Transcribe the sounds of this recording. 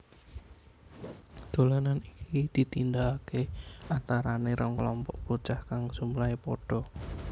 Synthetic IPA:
d̪̥o̤lananikid̪̥i̤t̪ind̪aakeant̪aɾaneɾɔŋklɔmpɔʔb̥ut͡ʃahkaŋsumulaepɔɖ̥ɔ̤

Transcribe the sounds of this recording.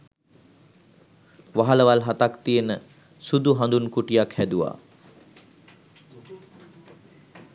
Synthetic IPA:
ʋaɦaləʋalɦat̪akt̪ijenə | sud̪uɦand̪unkuʈijakhæd̪uʋa̰ː

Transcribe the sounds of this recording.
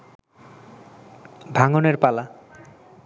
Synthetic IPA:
bʱaŋoneɾpala

